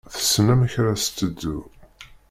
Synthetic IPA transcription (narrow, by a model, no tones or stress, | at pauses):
θə̥sːnæmæçɾast̪ːəd̪ːu